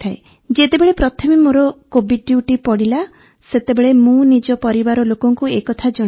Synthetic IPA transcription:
t̪ʰae | d͡ʒet̪ebeɭepɾɔt̪ʰɔmimoɾɔkobiɖɖjuʈipɔɽila | set̪ebeɭemũnid͡ʒɔpɔɾibaɾɔlokɔŋkuekɔt̪ʰad͡ʒɔ

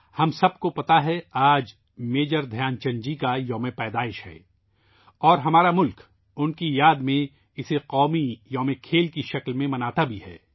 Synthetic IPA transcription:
hɐmsɐb̚kopɐt̪aɦɛaːd͡ʒ | meːd͡ʒəɾd̪ʱjaːnt͡ʃɐ̃ɲd͡ʒikajɐmẽpɛːd̪aːɪʃhɛ̰ː | ɔːɾɦɐmaːɾamʊlk | ʊnkijaːd̪mẽ | ɪseqɔːmijɐ̃ːmẽkʰeːlkiʃɐklmẽmɐnaːt̪abʱiɦɛ̰ː

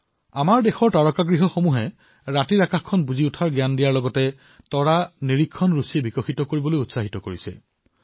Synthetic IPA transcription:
amaɹdexɔɹtaɹɔkaɡɹiɦɔxomuɦɛ | ɹatiɹakaxkʰːɔnbuziutʰaɹɡjandijaɹlɔɡɔtɛ | tɔɹaniɹikʰːɔnɹusiɛbikɔxitɔkoɹibɔlojutsaɦitɔkoɹisɛ̰

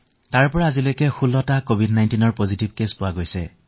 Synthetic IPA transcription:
taɹpɔɹaːzilojkɛxulːɔtakobʱidnajntinɔɹpozitibkespʊwaɡojsɛ̰

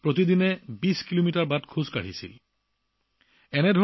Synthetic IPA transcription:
pɹot̪̬idinɛbiskilomitaɹbatkʰuzkaɹisḭl | ɛnɛdʱɔ

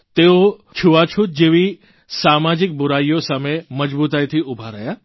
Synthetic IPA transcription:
t̪eot͡ʃʰuʋat͡ʃʰut̪̚d͡ʒeʋi | samad͡ʒɪk̚bʊɾajjosameməd͡ʒbut̪ajt̪ʰiʔubʱaɾəja

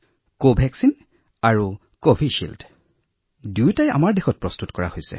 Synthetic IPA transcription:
kobʱɛksin | aɹu | kobʱiʃḭlt | dujtaja̰maɹdexɔt̚pɹɔstutkɔɹa̰hojsɛ̰

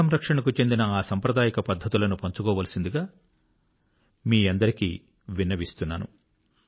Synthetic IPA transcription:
ɐmɾɐkʂɐɳɐkut͡ʃe̞nd̪inɐaːsɐmpɾɐd̪aːjɐkɐpɐd̪ʱːɐt̪ulɐnupoɲt͡ʃukɔːʋaːlɐsind̪uɡaː | miːɐnd̪ɐɾikḭ | ʋinːɐʋist̪unːa̰ːnṵ

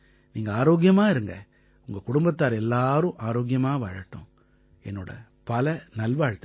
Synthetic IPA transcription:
niːŋɡɐaːɾoːɡjɐmaːɪɾɯŋɡɐ | ʊŋɡɐkʊɽʊmbɐt̪ːaːɾɛlːaːɾɯ̃ʔaːɾoːɡɪjɐmaːʋaːɻɐʈːʊ̰̃ | ɛnːoːɽɐ̰ | pɐlɐnɐlʋaːɻt̪

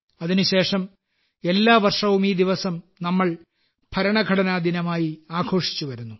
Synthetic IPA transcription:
ɐðinuɕe̞ːʂɐm | e̞lːaːʋɐrʂɐʋumiːd̪iʋɐsɐmnɐmːɐɭ | pʰɐɾɐɳɐɡʱɐɽɐnaːd̪ʱinɐmaːjiaːɡʰʱo̞ːʂi̥t͡ɕːuʋɐɾunːu

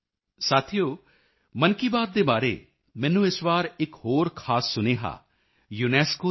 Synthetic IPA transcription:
saːt̪ʰijoː | mənkiːbaːt̪̚d̪eːbaːɾḛː | mɛ̃ːnũːɪsʋaːɾɪkɦoːɾkʰaːsːʊneːɦa̰ː | juːnɛːskoː

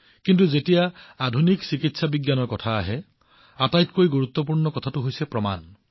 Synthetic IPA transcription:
kintuzetijaadʱuniksikitsabiɡjanɔɹkɔtʰaːɦɛ | atajtkojɡuɹut̪ːɔp̬uɹnɔkɔtʰatʊɦojsɛpɹɔma̰n

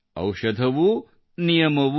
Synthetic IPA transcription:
ɐ̰wʃɐd̪ʱɐʋu | nijɐmɐʋu

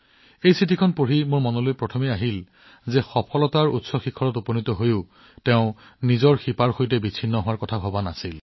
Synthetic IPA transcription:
ejsitʰikʰɔnpoɹimʊɹmɔnɔlojpɹɔtʰɔmiaɦil | zɛxɔpʰɔlɔtaɹṵtsɔxikʰːɔɹɔtuponitɔɦojʊ | tɛʊ̃ | nizɔɹxipaɹxojtɛbit͡sʰinːɔɦʊwaɹkɔtʰaɦɔbanasil

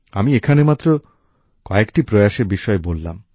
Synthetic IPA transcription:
a̰miekʰanemat̪ːɾo | kɔekʈipɾoaʃeɾbiʃɔebolːa̰m

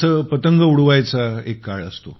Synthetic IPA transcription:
əpət̪əŋɡəuɽʋajt͡saekːaɭə̰st̪o

